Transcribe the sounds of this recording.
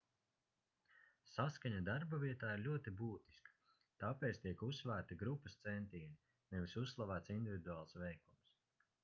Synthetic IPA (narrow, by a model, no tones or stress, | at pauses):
saskaɲad̪aɾbaviɛt̪aːiɾlʲuɔt̪ibuːt̪i̥skḁ | t̪apɛːt̪st̪iɛkusːvæːɾt̪iɡɾupːɐst̪sɛnt̪iːni | nɛvisussːlˠavæːt̪sind̪ivʲid̪uaːlˠsvɛjkums